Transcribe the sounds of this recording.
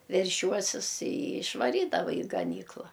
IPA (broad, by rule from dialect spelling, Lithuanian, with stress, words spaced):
ʋʲɛrʲˈʃʲuɔsʲɪs ɪ ɪʃʋɐˈrʲiːdɐʋɐ ɪ ɡɐˈnʲiːklˠɐ